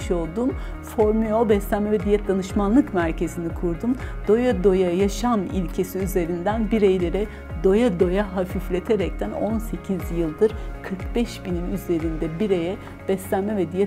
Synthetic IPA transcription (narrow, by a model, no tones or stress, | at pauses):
ʃo̞lˠd̪um | fo̞ɾmyjobɛslʲænmɛvɛd̪ijːɛt̪̚d̪anɯʃmanlˠɯkmæɾcʰe̞zinikʰuɾd̪umd̪̥o̞jad̪o̞jajaʃamilʲcʰe̞siyze̞ɾind̪ænbiɾejlʲe̞ɾɛ | d̪o̞jad̪o̞jaɦafiflʲe̞t̪ʰe̞ɾɛc̚t̪ʰæno̞nse̞cʰizjɯlˠd̪ɯɾ̥kʰɯɾkbɛʃbinimyze̞ɾind̪ɛbiɾe̞jɛ | b̥ɛslʲænmɛvɛd̪ijɛ